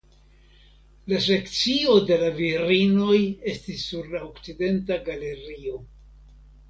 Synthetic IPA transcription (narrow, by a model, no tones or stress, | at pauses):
las̬e̞kt͡sio̞de̞laviɾino̞je̞stisːuɾlaokt͡side̞ntaɡale̞ɾio̞